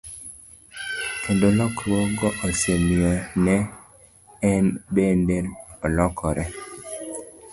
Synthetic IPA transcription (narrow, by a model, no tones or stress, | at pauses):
kʰendolɔkɾwɔɡɔʔosemionɛː | nbendelɔlɔkʰɔɾʔɛ